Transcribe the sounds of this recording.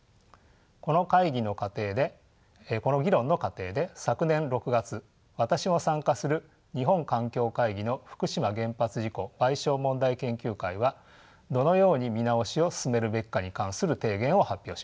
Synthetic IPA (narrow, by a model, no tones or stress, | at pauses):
ko̞no̞kaiɡʲino̞kat̪e̞ːd̪e̞ | ko̞no̞ɡʲiɾõ̞nːo̞kat̪e̞ːd̪e̞sakɯ̟nẽ̞nɾo̞kɯ̟ɡat͡sɨ | βat̪aɕimo̞sãŋkasɨɾɯ̟ | ɲ̟iɦõ̞ŋkãŋkʲo̞ːkaiɡʲino̞ɸɯ̥kɯ̟ɕimaɡẽ̞mpat͡sɨʑiko̞b̥aiɕo̞ːmõ̞nd̪aikẽ̞ŋkʲɨːkaiβa | d̪o̞no̞jo̞ːɲ̟imʲinao̞ɕio̞sɨ̥sɨme̞ɾɯ̟be̞kʲkːaɲ̟ikãɰ̃sɨɾɯ̟t̪e̞ːɡẽ̞ɰ̃o̞hapʲːjo̞ːɕi̥a